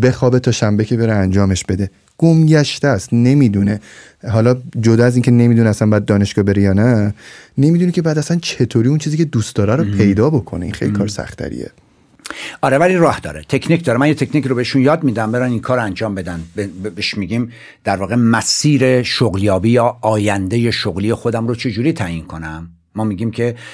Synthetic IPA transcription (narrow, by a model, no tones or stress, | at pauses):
be̞xɒːbet̪ʰɒːʃæmbecʰe̞be̞ɾeænd͡ʒɒːme̞ʃbe̞d̪e̞ | ɡ̥omɟæʃt̪æst̪ne̞miːd̪une | ɦɒːlɒd͡ʒod̪ɒːæziŋcʰene̞miːd̪uneæsænbɒjæd̪̚ːɒːne̞ʃɡ̥ɒːbe̞ɾejɒːnæne̞miːd̪unecʰe̞bæd̪æsænt͡ʃʰe̞t̪ʰoːɾiunt͡ʃʰiːziːcʲʰed̪uːst̪d̪ɒːɾæɾopʰe̞jd̪ɒːbo̞kʰo̞̰neinxḛlikʰɒ̰ːɾsæ̰χt̪ʰæ̰ɾḭḛ | ɒːɾevæliɾɒːhd̪ɒːɾet̪ʰe̞kʰnicʰd̪ɒːɾemænjet̪ʰe̞kʰnicʰiɾobeeʃunjɒːd̪miːd̪æmbeɾæninkʰɒːɾoænd͡ʒɒːmbe̞d̪ænbebeʃmiɡiːm | d̪̥æɾvɒːɣe̞mæsiːɾe̞ʃoɣljɒːbiːjɒːɒːjænd̪ejeʃoɣlijexod̪æmɾot͡ʃʰe̞d͡ʒuːɾiːt̪ʰæːʔinkʰo̞næmː | ɒːmiɡiːmcʰe̞